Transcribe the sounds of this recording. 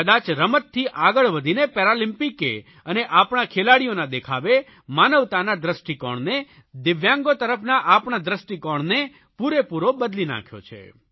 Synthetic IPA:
kəd̪at͡ʃɾəmət̪ʰːiʔaɡəɭʋəd̪ʱinepɛɾalɪmpikḛ | əneʔapɳakʰelaɽijonad̪ekʰaʋe | manəʋt̪anad̪ɾəsʈikɔ̰ɳne | d̪ɪʋjãŋɡot̪əɾəpʰnaʔapɳad̪ɾəsʈikɔɳne | puɾepuɾobəd̪lina̰kʰjo̰t͡ʃʰḛ

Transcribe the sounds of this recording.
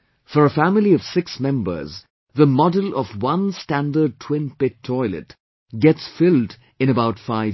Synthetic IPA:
fəɹəfæmɪliʌv̥sɪksmɛ̃mbə̰˞z | ðəmɔdəlˠʌvwʌ̃nstæ̃ndəd̚tʰw̥ɪ̃npɪtʰːɔɪlɨ̰t | ɡɛtsfɪlˠd | ɨ̃ñəbaʊtfaɪ

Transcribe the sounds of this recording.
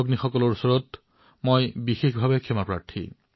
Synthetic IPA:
oɡnixɔkɔlɔɹusɔɹɔt | mojbixexbʱabekʰɛmapɹa̰ɹtʰḭ

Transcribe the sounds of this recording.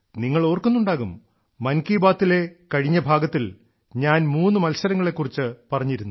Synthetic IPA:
niŋːɐɭo̞ːrkunːuɳɖaːɣumː | ɐnkiːbaːt̪ːile̞kɐɻiɲːɐbʱaːɡɐt̪ːil | ɲaːnmuːnːɨmɐlsɐɾɐŋːɐɭe̞kːurit͡ɕːɨpɐrɐɲːiɾunːu

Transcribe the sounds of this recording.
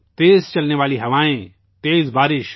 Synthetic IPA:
t̪eːzt͡ʃɐlneʋaːliɦɐʋaːẽ | t̪eːzbaːɾɪʃ

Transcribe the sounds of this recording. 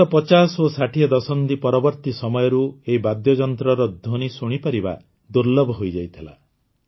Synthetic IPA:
ɔpɔt͡ʃasosaʈʰiɔd̪ɔsɔnt̪ipɔɾɔbɔɾt̪isɔmɔjɔɾueibad̪jɔd͡ʒɔnt̪ɾɔɾɔd̪ʱoñisuɽ̃ipaɾiba̰ | d̪uɾlɔbʱɔɦojd͡ʒajt̪ʰila̰

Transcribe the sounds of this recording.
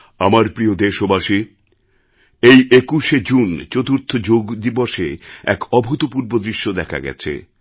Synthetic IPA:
amaɾpɾiod̪eʃobaʃi | ejʔekuʃed͡ʑunt͡ɕot̪uɾt̪ʰod͡ʑoɡd̪iboʃeɛ̰kɔbʱut̪opuɾbod̪ɾiʃːod̪ɛkʰa̰ɡɛ̰t͡ɕʰḛ

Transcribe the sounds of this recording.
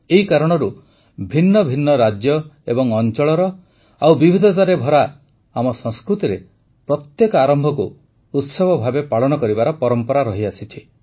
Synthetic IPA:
eɦikaɾɔɽ̃ɔɾu | bʱinːɔbʱinːɔɾad͡ʒjɔebɔŋɔnt͡ʃɔɭɔɾɔ | awbibʱid̪ʱɔt̪aɾebʱɔɾa | amɔsɔ̃ŋskɾut̪iɾe | pɾɔt̪jekɔaɾɔmbʱɔkuː | t̪sɔbɔbʱabepaɭɔñɔkɔɾibaɾɔpɔɾɔmpɔɾaɾɔɦiasit͡ʃʰi

